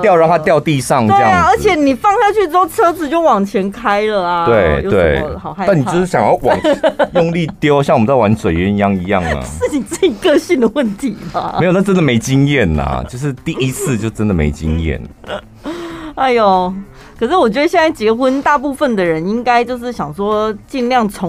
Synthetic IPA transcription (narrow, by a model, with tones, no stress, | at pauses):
jɑ˥˧ʊɻɑ˥˧˥a˥t̪̬jɑ˥˧ʊt̪i˥˧ʂɑ˥˨ŋe˥ə˥jɑ˥˧˩a˨ə˞˧˥t͡ɕʰjɛ˨˦ni˨˩fɑ˥˧ŋɕja˥˧t͡ɕʰy˥˩ʈ͡ʂɻ̩˥o˥˧˩ʊt͡sʰɤ˥d͡zɹ̩˨˩t͡ɕjo˥˩ʊwɑ˨˩ŋt͡ɕʰjɛ˧˥nkʰa˥ɪlə˨a˩t̪wee˥˩ɪjʊt̪we˥˩ɪxɑ˨˩ʊa˥˧˥ni˨˩t͡ɕo˥˧ʊʂɻ̩˥˩ɕjɑ˨ŋjɑ˥˩ʊwɑ̰˨˩ŋjʊ˥˧ŋli˥˧t̪jo˥ʊɕjwm˦t͡sa˥˩wa˧˦˥nt͡swe˨˩ɪɥɛ˧˦˥ni˧˥jɑ˥˩ŋi˧˥jɑ˥˩ŋə̰˨ɹ̩˥˩t͡ɕi˨˩t͡sɹ̩˥˩t͡ɕi˨˩kɤ˥˧ɕi˥˩nd̪ə˩wə˥˩nt̪ʰi˨˧˦ma˨˦e˥jna˥˩ʈ͡ʂə˥nd̪ə˨me˧˥ɪt͡ɕi˥ŋjɛ˥˩nɐ̰˨˩t͡ɕjo˥˧ʊʂɻ̩˥˧t̪i˥˩i˦t͡sʰɹ̩˥˧t͡ɕjo˥˧ʊʈ͡ʂə˥nd̪ə˨mḛ˧˥ɪt͡ɕḭ˦˥ŋjɛ̰˥˩n | a˧˥ɪjo˨˩ | kkʰɤ˨˩ʂ̬ɻ̩˥˩wɔ˨˩t͡ɕɥɛ˧˥ə˧ɕjnt͡sa˥˩t͡ɕi˨ɡə˦xwə˦nt̪a˥˧pu˥˧fə˨˩nd̪ə˩ɻə˧˦ni˥ŋka˥ɪt͡ɕjo˥˧ʊʂɻ̩˥˩ɕjɑ˨˩ŋʂwɔ˥t͡ɕi˥˧nljɑ˥˩ŋt͡sʰo˧˥